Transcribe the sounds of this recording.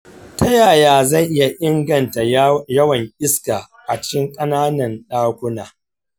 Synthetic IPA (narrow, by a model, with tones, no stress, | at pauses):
ta˦jaː˨jaː˨˦za˦˨jʔɪ˦ja˨ʔɪ˦ŋɡɐ˨nta˨jɐ˦wɐ˨ŋʔʲɪ˦skaː˨ | ʔa˨t͡ʃɪ̥˦kʲɪ˦ŋkʼɐ˦naː˦nɐ˨nɗaː˦kʷʊ˦naː˨